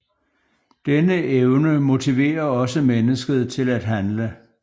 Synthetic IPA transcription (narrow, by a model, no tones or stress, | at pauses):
d̥enəʔeʊnəmo̝t͡sʰiʋe̝̰ːɐɒ̽səmenəsɡ̥əð̞̩ˠt͡sʰe̝læd̥ɦænlə